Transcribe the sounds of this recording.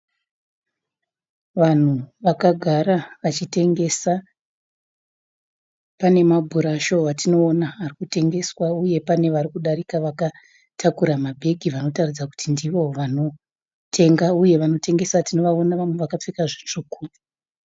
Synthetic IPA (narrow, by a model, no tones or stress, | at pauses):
ʋan̤uʋakaɡʱaɾaʋat͡ʃite̞ŋɡe̞sa | pane̞mabʱuɾaʃo̞ʋatino̞ːnaːrikute̞ŋɡe̞swauje̞pane̞ʋaɾikuɗaɾikaʋaka | tʰakuɾamabʱe̞ɡʱiʋano̞tarid͡zaku̥tindiʋo̞ʋano̞ | tʰe̞ŋɡauje̞ʋano̞te̞ŋɡe̞satino̞ʋaonaʋamwe̞ʋakap͡fikaʐet͡ʂokuːi̥